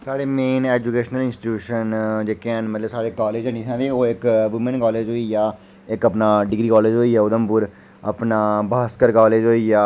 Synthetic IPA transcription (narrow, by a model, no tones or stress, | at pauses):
saːɽeːmeːnɛːd͡ʒuːkeːʃnəlɪnsʈːuːʃənd͡ʒeːkeɛ̃nmət̪ləbsaːɽeːkɔːleːd͡ʒəniːt̪ʰãːd̪eːoːɪkʋɪmənkɔːleːd͡ʒɦoːiːjaː | ɪkəpnaːɖɪɡɾiːkɔːleːd͡ʒɦoːiːaːʊd̪əmpʊɾ | ə̰pnaːbaːskəɾkaːleːd͡ʒɦoːiaː